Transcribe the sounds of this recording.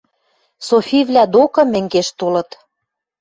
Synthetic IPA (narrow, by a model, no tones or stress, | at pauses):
sofʲivlʲæd̪okɤ̆mɘ̆ŋɡeʃt̪olɤ̆t̪